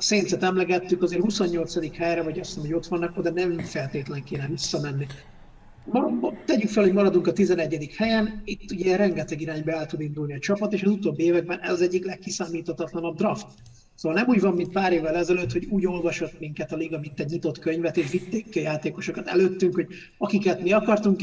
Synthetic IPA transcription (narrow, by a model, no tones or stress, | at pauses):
seːnsɛt̪ɛmlɛɡɛt̪ːykɒzeːrhusoɲːo̞lt̪sɒd̪ikhɛjɾɛvɒɟɒssmoɟo̞t̪ʋɒnːɛkod̪ɛnɛmfɛlt̪eːt̪lɛŋkeːnɛvisːɒmɛnːi | mɒɾbt̪ɛɟykfɛlhoɟmɒɾɒd̪uŋkɒt̪izɛnɛɟːɛd̪ikhɛjɛnit̪ːuɟɛɛɾɛŋɡɛt̪ɛɡiɾaːɲbɒɛlt̪ud̪ind̪ulniɒt͡ʃɒpɒt̪eːʃɒzut̪oːbːieːvɛɡ̚bɛnɛ̰zɒzɛɟːiklɛkːisaːmiːt̪ɒt̪ɒt̪lɒnɒb̚d̪rɒft̪ | soːɒlnɛmuːɟvɒmːint̪̚paːɾeːvːɛlɛzɛløt̪ho̞ɟuːɟo̞lvɒʃo̞t̪miŋkɛt̪ɒliɡɒmint̪ːɛɟɲit̪o̞t̪køɲvɛt̪eːʃvit̪ːeːkiɒjaːt̪eːko̞ʃo̞kɒt̪ɛ̰løːt̪ːyŋkho̞ɟ | ɒkikɛt̪miɒkɒrt̪uŋk